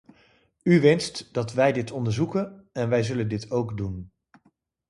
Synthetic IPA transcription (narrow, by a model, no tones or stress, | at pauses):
yʋɛnstd̥ɑtʋɛjdɪtʰɔndəɹzukənɛnʋɛjzɵləndɪtʰowkdun